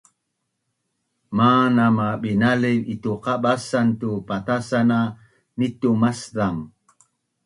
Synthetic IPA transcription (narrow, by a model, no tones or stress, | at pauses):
manamaɓinalivituqaɓasantupat̪asana | nitumasðaŋ